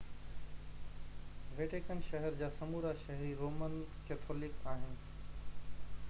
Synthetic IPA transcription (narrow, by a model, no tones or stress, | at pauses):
ʋeːʈeːkənʃɐɦəɾd͡ʑaːsɐmuːɾaʃɐɦɾiɾoːmənkeːt̪ʰoːlɪkaːɦɪnɪ̆